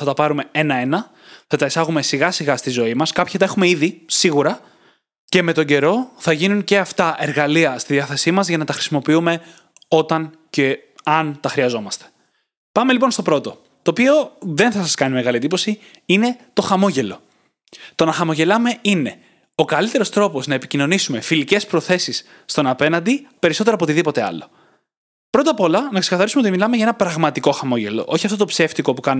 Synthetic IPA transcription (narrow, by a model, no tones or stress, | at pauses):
θɐt̪ɐpɐɾume̞enɐe̞nɐ | θɐt̪ɐisɐɣume̞siɣɐsiɣɐst̪izo̞imɐskɐpçit̪ɐexumeiðisiɣuɾɐ | ce̞me̞t̪o̞ɲɟe̞ɾo̞θɐʝinunce̞ɐft̪ɐʔeɾɣɐliɐst̪iðiɐθesimɐzʝɐnɐt̪ɐxɾi̥simo̞piume̞ | o̞t̪ɐn | ce | ɐnt̪ɐxɾiɐzo̞mɐst̪e̥ | pɐme̞lipo̞nst̪o̞pɾo̞t̪o̞ | t̪o̞ːpio̞ðe̞nθɐsɐskɐnime̞ɣɐlied̪ipo̞siine̞t̪o̞xɐmo̞ʝe̞lo̞̰ | t̪o̞nɐxɐmo̞ʝelɐme̞ine̞ | o̞kɐlit̪e̞ɾo̞st̪ɾo̞po̞znɐepicino̞nisume̞filice̞spɾo̞θe̞sisː | t̪o̞nɐpe̞nɐnd̪ipe̞ɾiso̞t̪eɾɐpot̪iðipo̞t̪e̞ɐ̰lo̞ | pɾo̞t̪ɐpo̞lɐnɐksekɐθɐɾisumeot̪imilɐme̞ʝɐenɐpɾɐɣmɐt̪iko̞xɐmo̞ʝe̞lo̰ʔo̞çiɐft̪ot̪opse̞ft̪iko̞pukɐn